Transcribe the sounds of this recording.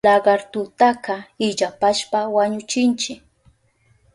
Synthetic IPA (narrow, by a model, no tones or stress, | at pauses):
lɑɢɑɾt̪ʊt̪akɑɪʎapaʃpawaɲʊt͡ʃɪnt͡ʃɪk